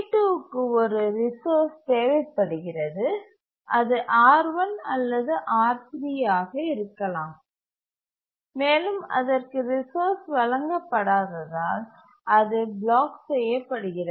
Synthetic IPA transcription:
ʈuːɯkːɯɔɾɯɾɪsoːɾst̪eːʋɐɪpːɐɽɯɣɪrɐðɯ | ʔɐðɯʔaːɾʋɐnɐlːɐðɯʔaːɾsɾɪjaːɣɐɪɾɯkːɐlãːm | meːlɯmɐ̰ðɐrkɯɾɪsoːɾsʋɐɭɐŋɡɐpːɐɽaːðɐðaːl | ɐðɯbɭaːksɛjːɐpːɐɽɯɣɪrɐ

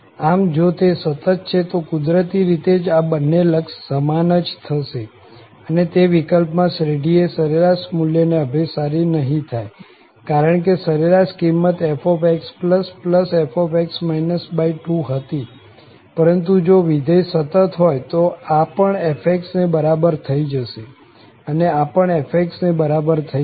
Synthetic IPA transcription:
amd͡ʒot̪esət̪ət̪̚t͡ʃʰet̪okʊd̪ɾət̪iɾit̪ed͡ʒabənːeləkʃːəmanəd͡ʒt̪ʰəʃe | ənet̪eʋikəlpmãsɾeɖiesəɾeɾaʃmuljəneəbʱesaɾinəɦĩt̪ʰaj | kaɾəɳk̬esəɾeɾaʃkimːət̪efʰopekspləspləsefopɛksmajnəsbaiʈuɦət̪i | pəɾənt̪̬ud͡ʒoʋid̪əjsət̪ət̪ɦojt̪oapəɳefʰek̚ʈsnebəɾabəɾt̪ʰəid͡ʒəʃe | əneapəɳefek̚ʈsnebəɾabəɾt̪ʰə

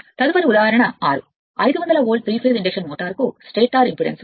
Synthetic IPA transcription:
t̪ɐðɯʋɐɾʊðaːhaɾɐɳɐa̰ːɾɯ̰ | ɐɪðɯʋɐnd̪ɐlɐoːlɖfɾiːfeːzɪɳd͡ʒɐkʂɐnmoːʈːaːɾkusʈeːʈːaːɾɪmpɾɪɽɐ̰ns

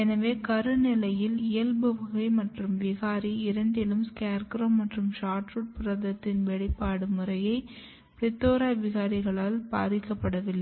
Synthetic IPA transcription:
ɛnɐʋeːkɐɾɯnɪlɐjɪlɪjɐlbɯʋɐɣɐɪmɐʈrɯmʋɪɣaːɾiɪɾɐɳɖɪlɯmskaːɾkɾɐmːɐʈrɯmʃaːʈruʈ̚pɪɾɐðɐt̪ːɪnʋɛɽɪpːaːɽɯmɯrɐjɐɪ | pɾɪt̪ːoːɾaːʋɪɣaːɾɪɣɐɭaːlpaːɾɪkːɐpːɐɽɐʋɪlːɐ

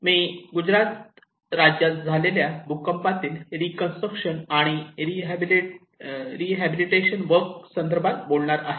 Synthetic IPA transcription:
miːɡud͡ʑɾat̪̚ | ɾad͡ʑjat̪d͡zʱaleljabukəmpat̪iːlɾikənsʈɾəkʂənaɽ̃iɾiɦbl | ɾiɦæbiliʈeɕənʋəɾksənd̪əɾbʱat̪̚bolɳaɾaɦe

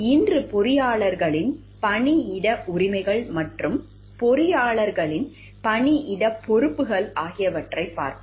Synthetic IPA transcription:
iːndrɯpɔɾɪjaːɭɐɾɣɐɭɪn | pɐɳiɪɽɐʔʊɾɪmɐɪɣɐɭmɐʈrɯm | pɔɾɪjaːɭɐɾɣɐɭɪn | pɐɳiʔɪɽɐpːɔɾɯpːɯɣɐɭaːɣɪjɐʋɐʈrɐɪpːa̰ːɾk̪ɯ

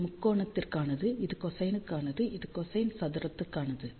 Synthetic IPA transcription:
mʊkːoːɳɐt̪ːɪrkaːnɐðɯɪðɯkɔsɐjnɯkːaːnɐðɯʔɪðɯkɔsɐjnsɐðɪɾɐt̪ːɯkːaːnɐðɯ

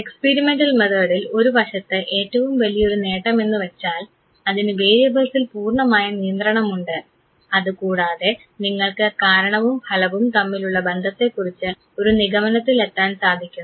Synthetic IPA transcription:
ekspeːɾimeɳɖɐlmeðoːɽilo̞ɾubʱɐʂɐt̪ːɨʔe̞ːʈːɐʋumʋɐlijɐo̞ɾune̞ːʈːɐme̞nːɨʋet͡ɕːaːl | ɐðinɨʋe̞ːɐbɐlsilpuːrɳɐmaːjɐnijɐnd̪rɐɳɐmuɳɖɨ | ɐðɨkuːɽaːðe̞ | niŋːɐɭkɨkaːɾɐɳɐʋumhɐlɐʋumt̪ɐmːiluɭːɐbe̞nd̪ʱɐt̪ːe̞kːurit͡ɕːɨ | o̞ɾuniɣɐmɐnɐt̪ːile̞t̪ːaːnsaːd̪ʱikʲːunː

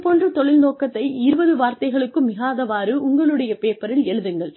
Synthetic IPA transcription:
poːndrɯt̪ɔɭɪlnoːkːɐt̪ːɐɪɪɾɯbɐðɯʋaːɾt̪ɐɪɣɐɭɯkːɯmːɪɣaːðɐʋaːɾɯʊŋɡɐɭɯɽɐjɐpeːpːɐɾɪlɛɻɯðɯŋɡɐɭ

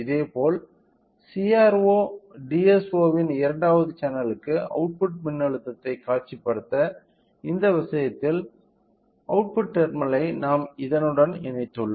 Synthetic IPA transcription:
ɪðeːpoːl | siaːɾoːɖiɛsoːʋɪnɪɾɐɳɖaːʋɐðɯt͡ʃɐnɐlɯkːɯɐ̰ʊʈ̚pʊʈ̚mɪnːɐɭɯt̪ːɐt̪ːɐɪkaːʈ̚t͡ʃːipːɐɽɯt̪ːɐ | ɪnd̪ɐʋɐsɐjɐt̪ːɪl | ɐʊʈ̚pʊʈːɛɾmɐlɐɪnaːmɪðɐnɯɽɐnɛɳɐɪt̪ːɯɭːɐ

